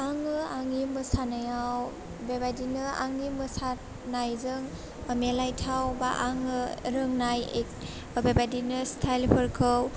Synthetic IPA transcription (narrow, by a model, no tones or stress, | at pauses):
aŋɯaŋimɯsanajaw | bebadinɯa̰ŋimɯsa | najzɯŋ | melajtʰawbaʔaŋɯɾɯŋnajek | bebadinɯstʰajlpʰɯɾkʰɯw